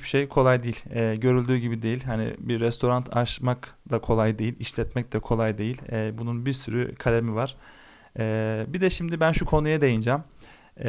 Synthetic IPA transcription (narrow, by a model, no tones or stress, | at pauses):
bi̥ʃejkʰo̞lˠajd̪ejilʲɛːɟø̞ɾylʲd̪yːɟibid̪e̞jilʲɦanḭbiɾːɛst̪ʰo̞ɾant̪ʰa̰ʃmakd̪akʰo̞lˠajd̪e̞jilʲiʃlʲɛt̪mɛc̚d̪ɛkʰo̞lˠajd̪e̞jilʲɛːbununbiɾsyɾy̰kʰalʲe̞mivaɾ̥ | ɛːbid̪ɛʃimd̪ibænʃukʰo̞nujad̪e̞jind͡ʒam